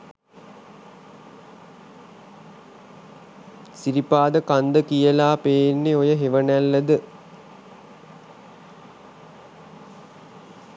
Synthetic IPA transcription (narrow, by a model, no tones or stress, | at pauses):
siɾipaːd̪əkand̪əkijəlaːpeːnːeojəɦeʋənælːəd̪ə